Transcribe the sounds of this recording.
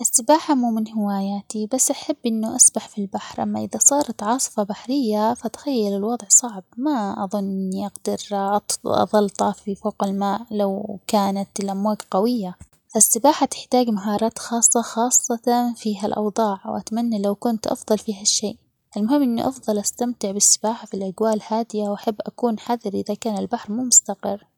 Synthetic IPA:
ʔɪsːɪbaːħamuːmɪnhɪwaːjaːt̪ibasːʔaħabːʔɪnːʊʔasbaħfilbaħɾʔamːaʔɪðasˤɑːɾˤɑt̪ʕɑːsˤɨ̥fɑbaħɾɪjːafat̪xajːalɪlwɑd̪ˤʕsˤɑʕb̚maʔɑðˤʊnːʔɪnːiʔɑɡd̪ɑɾʔɑt̪ɑ̰ðˤɑlt̪ˤɑfifoːqɪlmaːʔlawkaːnat̪ɪlʔamwaːɡqawɪjːa | fasːɪbaːħat̪ɪ̥ħt̪aːɡmaɦɑːɾˤɑːt̪xɑːsˤːɑxɑːsˤːɑt̪ɑfiːɦalʔɑ̰wðˤɑːʕwʔa̰t̪amanːalawkʊnt̪ʔɑ̰fðˤɑlfiːɦaʃːeːʔ | ʔɪlmʊhɪmːʔɪnːḭʔɑfðˤɑlʔast̪amt̪ɪʕbɪsːɪbaːħafilʔaɡwaːlhaːd̪ɪjawʔaħabːʔakuːnħaðɪɾʔɪðakaːnɪlbaħɾmuːmʊst̪aqɪrː

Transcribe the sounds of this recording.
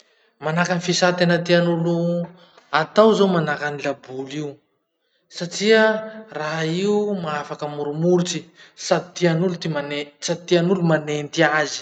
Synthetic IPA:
manakanifisat̪enət̪ianulu | at̪awzowmanakanilabuliu | saʈ͡ʂiəraɦiumaafakəmuɾumuɾt͡sisad̪it̪ianulut̪imanesad̪it̪ianulumanent̪iazi̥

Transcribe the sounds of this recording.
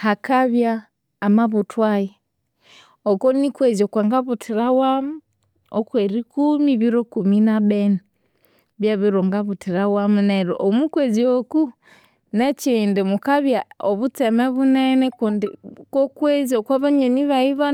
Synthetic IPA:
hakaβjaː | maβutwaji | okonikweziokwaŋɡaβutʰiɾawamu | o̰kweɾikumiβiɾokuminaβeni | βjaβiɾoŋɡaβutiɾawamuneɾo̰ʔomukwezioku | net͡ʃindimukaβjaoβut͡semeβunenekundikokwezokwaβaɲeniβaiβa

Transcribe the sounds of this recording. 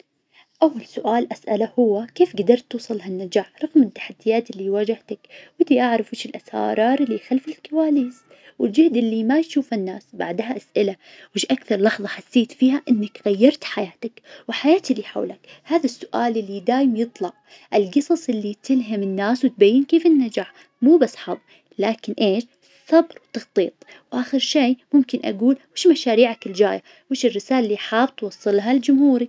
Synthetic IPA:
ʔawːalsʊʔaːlʔasʔalahʊwːakeːfɡad̪ɑɾˤt̪ːuːsˤɨlːhanːad͡ʒaːħɾˤɑɣmɪt̪ːḁħad̪ːɪjːaːt̪ɪlːiwaːd͡ʒɪht̪akwɪnt̪iʔaʕɾˤɑfwɪʃɪlʔasɑ̰ːɾˤɑːɾˤʔɪlːixalfɪlkawaːliːs | wɪld͡ʒɪhd̪ʔɪlːimajʃuːfanːaːsbaʕd̪ɦaʔasʔɪla | wɪʃʔakθɑɾˤlɑħðˤɑħasːeːt̪fiːɦaʔɪnːakɣajːɑɾˤt̪ħajaːt̪akwɪħajaːt̪liːħa̰wlak | haːðasːʊʔaːlɪlːid̪aːjɪmjɨt̪ˤlɑʕ | ʔɪlɡɨsˤɑsˤʔɪlːit̪ɪlɦamɪnːaːswt̪̚bajːɪnkeːfɪnːad͡ʒaːħ | muːbasːħɑðˤ | laːkɪnʔeːʃ | sɑbɾwt̪ːɑxt̪ˤḭːt̪̚ˤ | wʔaːxɪɾʃeːmʊmkɪnʔa̰ɡuːlwɪːʃmaʃaːɾiːʕakɪld͡ʒaːja | wɪːʃɪrːɪsaːlalːiħaːbt̪wɑsˤːɨlɦald͡ʒʊmhuːɾi

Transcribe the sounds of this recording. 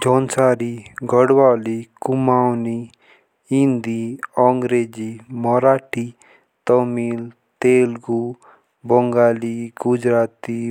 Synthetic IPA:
d͡ʒʱɔːnsaːɾiɡʱəɽʋaːlikumawni | ĩnd̪iɔŋɡɾeːd͡ʒimɔɾaːʈʰi | t̪ɔmiːl | t̪eːlɡu | bɔŋɡaːliɡud͡ʒɾaːt̪i

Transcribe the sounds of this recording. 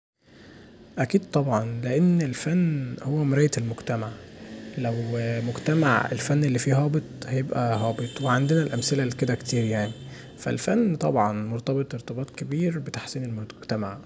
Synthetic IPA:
ʔækiːd̪̚t̪ˤɑbʕɑnleʔenːelfænːhowːæmɾˤæːjet̪elmoɡt̪æmaʕlæwmoɡt̪æmaʕḛlfænːelːifiːɦɑːbet̪ˤhæjebʔæɦɑːbet̪ˤweʕand̪enælʔæmselælked̪ækt̪iːɾjaʕni | fæ̰lfænːt̪ˤɑbʕɑnmoɾt̪ˤɑbet̪ˤʔeɾt̪ɑbɑːt̪ˤkebiːɾbet̪ḁħsiːnelmoɡ̥t̪æmaʕ

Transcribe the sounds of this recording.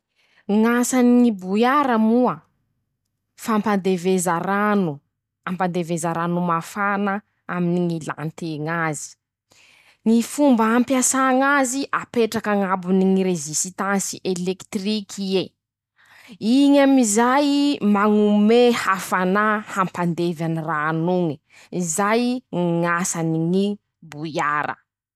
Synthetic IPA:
ŋasaniŋibujaɾəmuə | fampand̪evezaɾanu | ampand̪evezaɾanumafanə | aminiŋila̰nt̪eŋazi̥ | ŋifumbaampjasaŋaziʔapeʈ͡ʂakaŋabuniŋiɾezist̪ansiʔelekt̪rikʰie | iɲamizajmaŋumehafanahampand̪evaniranuŋi | izajŋasaniŋi | bujaɾə̰

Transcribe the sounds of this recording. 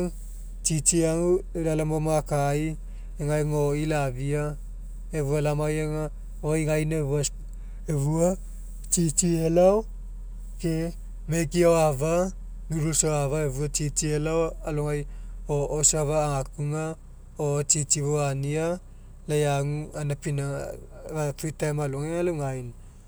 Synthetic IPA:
t͡ʃit͡ʃiaŋuelalamomakaj | eŋajŋoilavia | evualamajaŋa | ojŋajneeβua | eβua | t͡ʃit͡ʃielaw | ke | mekioava | ɡuɾusoaβaeβuat͡ʃit͡ʃielawaloŋajoosaβaːŋakuŋa | ot͡ʃit͡ʃiβoania | lajaŋuanapina | ɡatɾitamaluŋaŋaluŋajn

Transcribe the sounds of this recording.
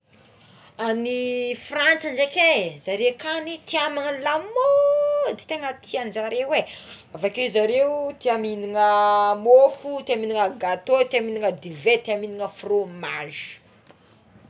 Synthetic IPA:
anifrant͡sand͡ʒekezaɾekanit̪iamanəlamod̪et̪eŋət̪ʰiand͡ʒaɾewe | avakeizaɾewt̪iaminiŋəmofut̪iaminiŋəɡat̪ot̪iaminiŋəd̪ivet̪iaminiŋəfromaʒi̥

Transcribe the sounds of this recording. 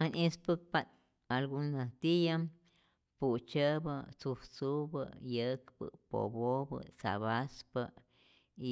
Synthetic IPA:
anʔispɨk̚pan | alɡunːat̪ijam | put͡ʃəbət͡suht͡subə̰jəkbɨ̰po̰bobə̰t͡sa̰βaspə | i

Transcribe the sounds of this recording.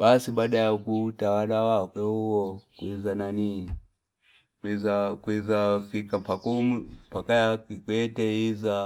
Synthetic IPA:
ɓasiɓaːɗajakutawalawakwɛhuwɔkwizanani | kwizakwizafikampakumumpakajakikwɛtɛiza

